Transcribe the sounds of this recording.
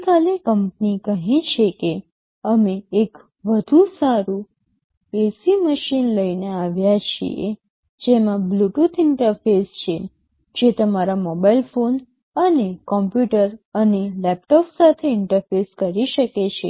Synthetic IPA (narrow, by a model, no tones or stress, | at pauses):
kalekəmp̚nikəɦĩt͡ʃʰeke | əmeːk | ʋəd̪ʱũsaɾũ | esiməʃinləineaʋjat͡ʃʰḭḛ | d͡ʒemãbluʈut̪ʰɪɳʈəɾfest͡ʃʰe | d͡ʒet̪əmaɾamɔbailfon | ənekɔmpjuʈəɾənelɛp̚ʈɔpsat̪ʰeɪɳʈəɾfeskəɾiʃəket͡ʃʰḛ